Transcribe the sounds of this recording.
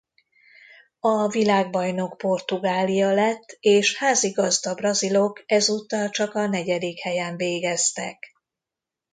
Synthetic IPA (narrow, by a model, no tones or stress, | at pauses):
ɒvilaːɡ̚bɒjno̞kpo̞rt̪uɡaːlijɒlɛt̪ːeːʃhaːziɡɒzd̪ɒbrɒzilo̞kɛzuːt̪ːɒlt͡ʃɒkɒnɛɟɛd̪ikhɛjɛɱveːɡɛst̪ɛ̰k